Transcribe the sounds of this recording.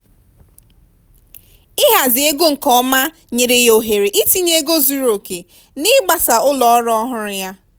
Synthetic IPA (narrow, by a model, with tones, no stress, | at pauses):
ɪ˦ɦa˨zɪ˨e˦ɡo˦ŋ̩˨kɔ˦ma˦ | ɲe˨ɾe˨jo˨ɦe˨ɾe˨ʔi˦ti˦ɲe˦ɡo˦zu˨ɾo˨ke˨ | nɪ˦ɡ͡ba˨sa˨ʊ˦lɔ˨ɔ˦ɾɔ˦ɦʊ˦ɾʊ˦ja˦